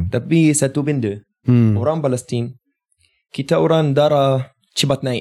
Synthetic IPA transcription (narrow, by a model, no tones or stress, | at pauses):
t̪apisat̪ubində | oɾaŋpalɛst̪in | kit̪aoɾaŋd̪aɾa | t͡ʃibat̪̚naj